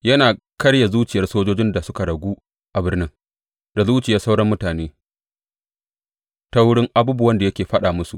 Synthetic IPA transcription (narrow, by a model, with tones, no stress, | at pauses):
jɐ˦naː˨ | kɐ˦ɽja˨zuː˦t͡ʃɪ˨jɐ˦rsoː˦d͡ʒoː˦d͡ʒɪ˦nda˨sʊ˦ka˨ɽɐ˨ɡʷuː˦ | ʔa˨bɪ˦rnɪ˦ŋ | d̥a˨zuː˦t͡ʃɪ˨jɐ˦sa˦wɽɐ˦mːʊ˦taː˨neː˦ | ta˦wʊ˦ɽɪ˦ŋʔa˨buː˦bʊ˨wɐ˦nda˨jɐ˦kʲeː˨ɸɐ˦ɗaː˨mʊ˦su˨ʔ